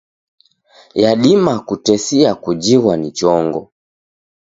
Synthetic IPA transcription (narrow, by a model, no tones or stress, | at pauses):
jaɗimakutɛsiakud͡ʒiwanit͡ʃɔŋɡɔ